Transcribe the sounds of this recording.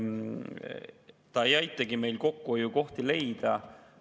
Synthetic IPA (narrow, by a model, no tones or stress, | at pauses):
t̪ɑejɑjt̪ˑːɑɡime̞jlko̞kːuojuko̞ht̪ile̞jd̪̥ɑ